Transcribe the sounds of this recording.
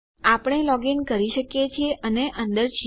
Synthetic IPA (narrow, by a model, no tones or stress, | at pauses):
apəɳ̃elɔɡinkəɾiʃəkjet͡ʃʰieʔəneʔənd̪əɾt͡ʃʰi